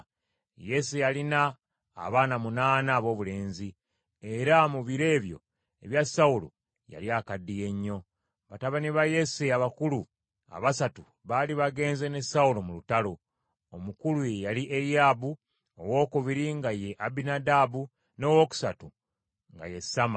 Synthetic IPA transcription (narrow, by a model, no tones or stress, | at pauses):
je̞sejalina̰ː | βaːnamunaːnaːβo̞ːβule̞ːnzi | e̞ɾamuβiɾe̞ːβjo̞̰ | e̞βjasaulo̰ | ja̰liakadːije̞ɲːo̞ | βataβaniβaje̞siaβakulu | a̰βasatu | βaliβaɡe̞ːnzenesaulomulutalo̞ | omukulujejaliʔeɾiabu | o̰wo̞ːkuβiɾiŋɡaje̞ʔabinadabu | no̞woku̥satu | ŋɡa̰je̞sama